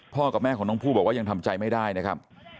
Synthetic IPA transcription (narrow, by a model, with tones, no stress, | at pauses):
pʰɔː˥˩ka˨˩mɛː˥˩kɔ˩˦ŋnɔ˧˥ŋpʰuː˥˩bɔː˨˩k̚waː˥˩ja˧ŋt̪ʰa˧mt͡ɕa˧jma˥˩jdaː˥˩jna˦˥kʰa˦˥p̚